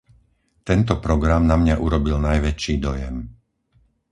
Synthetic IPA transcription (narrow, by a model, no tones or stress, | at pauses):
t̪ɛnt̪ɔpɾɔɡɾamnamɲaʔuɾɔbilnajʋɛt͡ʃiːd̪ɔjɛm